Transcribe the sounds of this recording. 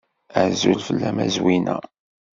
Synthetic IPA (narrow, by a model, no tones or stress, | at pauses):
əʕzulfəlːæmæzwinæ